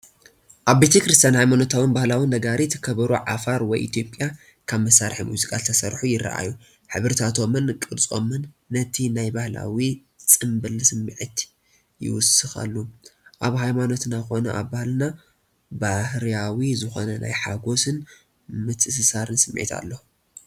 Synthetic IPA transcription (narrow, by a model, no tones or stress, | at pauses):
ʔaβbe̞t̪ʰɐkɾɨst̪ʰjanhajmano̞t̪ʰawɨnbahlawindɐɡaɾit̪ʰɐ̥kʰɐβɐɾuʕafaɾwɔjʔḭt̪ʰjo̞pʼja | kʰaβmɐsːaɾħimuzikʼalt̪ʰɐsɐɾħujɪɾɐ̰ʔa̰ju | ħɨβɨɾt̪ʰat̪ʰo̞mɨnkʼɨɾt͡sʼo̞̰mɨnː | ɐt̪ʰinajbahla̰wi | t͡sʼɨmbɨlsɨmːɨʕit̪ | jɪ̰wʊsɨxa̰lːuʔaβɦajmano̞t̪naxo̞nɐʔa̰βbahlɨna | bahɾawizɨxo̞̰nɐna̰jħa̰ɡo̞sɨn | mɨt̪ʰɨs̬ɨsaɾɨnsɨm̰ːʕḭt̪ʰa̰lːo